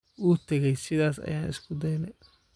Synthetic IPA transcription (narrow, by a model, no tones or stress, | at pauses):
ʔuːt̪ʰɛɣɛjsɪðaːsɐ̰jaːnɪ̰skʰʊd̪ɛjnɛ